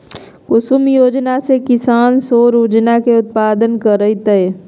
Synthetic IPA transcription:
kʊsʊmjoːd͡ʒnasekɪsaːnsoːɾuːd͡ʒnakeʊt̪̚paːd̪ənkəɾəit̪əe

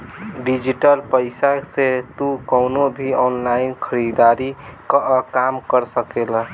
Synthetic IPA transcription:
ɖid͡ʒiʈəlpəɪsaset̪ukəʊnobʱiɔnlainkʰəɾid̪aɾikkamkəɾsəkel

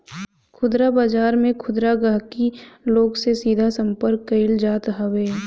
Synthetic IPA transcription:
kʰʊd̪ɾabaːd͡ʒaːɾmẽkʰʊd̪ɾaɡaɦkiloːɡsesiːd̪ʱasə̃mpəɾkːɐɪld͡ʒaːt̪ɦɐweː

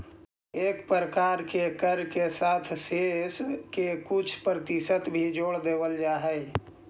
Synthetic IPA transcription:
eːkpɾəkaɾkekəɾkesat̪ʰseskekʊt͡ʃʰpɾət̪isət̪bʱid͡ʒoːɽd̪eːbəld͡ʒaːɦɛɪ

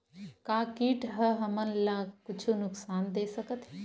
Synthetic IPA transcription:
kakiʈɦəɦəmənlakʊt͡ʃʰunʊksaːnd̪esəkət̪ɦɛ

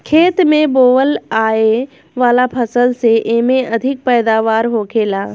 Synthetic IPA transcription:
kʰeːt̪mẽboːʋəlaːe | ʋaːlapʰɐsəlseʔeɦmẽʔɐd̪ʱɪk̚pɛːd̪aːʋaːɾɦoːkʰeːlaː

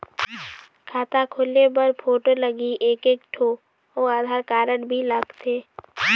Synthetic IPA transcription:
kʰaːt̪akʰolebəɾpʰoːʈoləɡiʔeːkeːkʈʰo | oaːd̪ʱaːɾkaːɾəɽbʱilaɡt̪ʰeː

